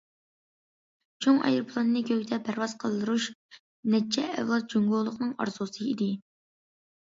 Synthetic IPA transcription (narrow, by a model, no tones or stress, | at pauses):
t͡ʃʰoŋɑ̰jɾpʰlˠɑnːɨkʲʰøkʲd̪ɛpʰæɾvɑz̥qʰəlˠd̪ɨɾuʃ | nɛt͡ʃʰːɛːvlˠɑt̪̚d͡ʒoŋɡolˠəqnɨŋɑ̰ɾzusɨid̪ɪ